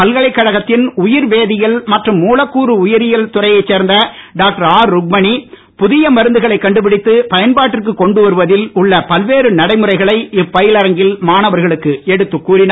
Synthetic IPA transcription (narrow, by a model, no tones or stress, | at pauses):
pɐlɣɐɭɐɪkːɐɻɐɣɐt̪ːɪnʊjɪɾʋeːðɪjɐlmɐʈrɯmːuːlɐkːuːɾɯʊjɪɾɪjɐlt̪ʊrɐɪjɐɪt͡ʃːeːɾnd̪ɐɖaːk̚ʈɐɾaːɾːʊɡ̚mɐɳi | pʊðɪjɐmɐɾɯnd̪ɯɣɐɭɐɪkːɐɳɖɯp̬ɪɽɪt̪ːɯpɐjɐnbaːʈːɪrkɯkːɔɳɖɯʋɐɾɯʋɐðɪlʊɭːɐpɐlʋeːɾɯnɐɽɐɪmɯɾɐɪɣɐɭɐɪɪpːɐjɪlɐɾɐŋɡɪlmaːnɐʋɐɾɣɐɭɯkːɯɛɽɯt̪ːɯkːuːɾɪnː